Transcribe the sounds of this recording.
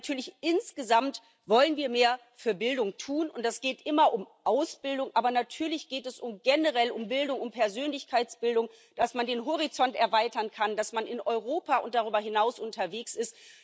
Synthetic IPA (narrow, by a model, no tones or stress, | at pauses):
tʰyːɐlɪçʔɪnsɡ̥əzamt | vɔlənviːɐmeːɐ | fyːɐbɪldʊŋtʰuːnʊnt̚d̥asɡ̥eːtʔɪmɐʔʊmʔaʊsb̥ɪldʊŋʔaːbɐnatʰyːɐlɪçɡ̥eːtɛsʊmɡ̥ɛnəʁɛlʊmbɪldʊŋʊmpʰɛɐzøːnlɪçkʰaɪt͡sb̥ɪldʊŋ | d̥asmandeːnɦɔʁ̞it͡sɔntɛɐvaɪtɐnkʰandasmanɪnʔɔʏʁoːpaːʔʊnt̚d̥aʁ̞yːbɐhɪnaʊsʔʊntʰɐveːksɪst